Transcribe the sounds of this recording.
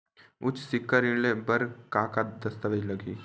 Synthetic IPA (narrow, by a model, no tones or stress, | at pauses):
ʊt͡ʃʰsɪkːəɾɪɽlebɐɾkaːkad̪ɐst̪əʋed͡ʒlɐɡiː